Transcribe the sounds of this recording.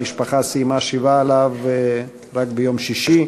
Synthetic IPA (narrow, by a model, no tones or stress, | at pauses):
iʃpaχasimaʃivaelav | ʁakbejo̞mʃiʃi